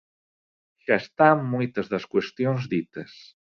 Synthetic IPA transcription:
ʒ̥aest̪amːujt̪əzðəskwest̪jonzd̪it̪əs

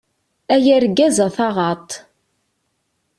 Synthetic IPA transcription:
æjæɾɡːæzaθɑʁɑt̪ˤ

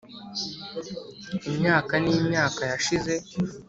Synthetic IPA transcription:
imɲaːkanimɲaːkajaʃize̞

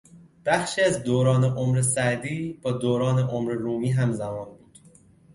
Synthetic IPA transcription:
b̥æxʃiːæzd̪oːɾɒːne̞ʔomɾesæd̪iːb̥ɒːd̪oːɾɒːne̞ʔomɾeɾuːmiːɦæmzæmɒːnbuːd̪̥

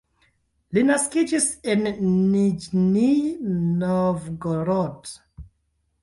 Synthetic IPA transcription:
linaskid͡ʒisenːid͡ʒninovɡoɾod

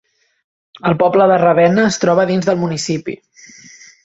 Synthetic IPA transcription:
əlˠpɔbləðərəβ̞ɛnəːst̪ɾɔβəðinzðəlˠmunisipḭ

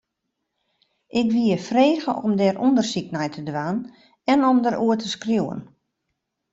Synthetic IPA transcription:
ʔɪkʋiəfreːɣəʔɔmdɛːrʔundərsik̚nɛjtʰədʋaːn | ɛnɔmdəɾʔuətʰəskrjuwə̰n

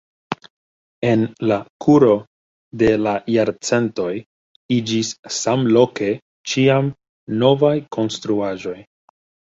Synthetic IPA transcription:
e̞nlakʰuɾo̞ | de̞lajaɾt͡se̞nto̞j | id͡ʒissamlo̞ke̞ | t͡ʃiam | no̞vajkʰo̞nstɾuaʒo̞j

